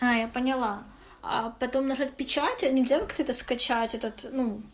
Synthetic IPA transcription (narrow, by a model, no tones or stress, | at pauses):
ajapənʲɪlˠa | a̰pɐt̪o̞mnɐʐat̚ʲpʲɪt͡ɕatʲnʲɪlʲzʲakakt̪əɛt̪əskɐt͡ɕatʲɛt̪ət̪nu